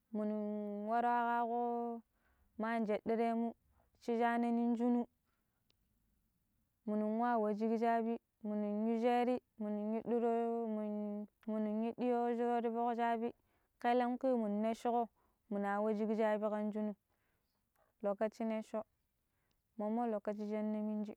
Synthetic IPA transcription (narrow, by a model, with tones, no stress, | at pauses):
mu˨nu˨wa˦ɾa˦ka˦ko˦ | ma˦˨n˨d͡ʒe˨di˦ɾe˦mu˦ | t͡ʃi˦d͡ʒa˦ne˦ni˦n˦d͡ʒu˦nu˦ | mu˨nu˨wa˦˨wa˨d͡ʒi˦ɡd͡ʒa˦bi˦ | mu˨nu˨ji˦d͡ʒe˦ɾi˦mu˨nu˨ji˦ɗi˦ɾo˦˨ | mu˨nu˨ji˦di˦jo˦d͡ʒo˦ɾo˦ɾi˦bo˦kd͡ʒa˦bi˦ | ke˦le˦mki˦mu˨n˨nːe˦ʃi˦ko˦ | mu˨na˨wa˦d͡ʒi˦ɡd͡ʒa˦bi˦ka˦n˦d͡ʒu˦nu˦ | lo˨kːa˦t͡ʃi˦ne˦ʃo˦ | mo˨mːo˦lo˨kːa˦t͡ʃi˦d͡ʒe˦nːa˦mi˦n˦d͡ʒi˦